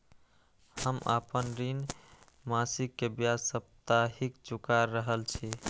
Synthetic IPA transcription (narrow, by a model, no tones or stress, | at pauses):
həmə̰pənɾin | masikːebjasəp̚t̪aɦikd͡ʒukaɾːəɦəlt͡ʃʰi